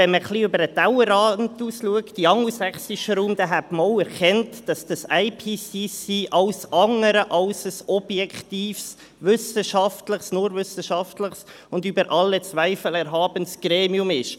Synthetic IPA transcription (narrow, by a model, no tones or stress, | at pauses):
ɛnməχliøbəɾətawəɾɑːntuːsluəkd̥iɑŋusɛχsiʃəɾuːmd̥̪ɛɦæbmoːlɛɾkʰɛntd̥ɑsd̥ɑsaɪpʰiːsisiːʔɑlsʔɑŋəɾəʔɑlsəsɔb̥jɛktiːfs | vʏsəʃɑftləχsnʊɾvʏsəʃɑftləχs | ʊndybəɾʔɑlːət͡svæɪfəlɛɾɦɑːb̥ənsɡ̥ɾeːmiʊmɪʃ